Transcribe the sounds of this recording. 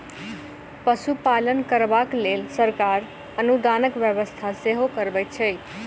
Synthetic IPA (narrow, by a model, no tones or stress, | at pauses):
pəsupalənkəɾbaklelsəɾkaɾ | ənud̪anəkbjəβəst̪ʰaseɦokəɾbəjt̪̚t͡ʃʰəj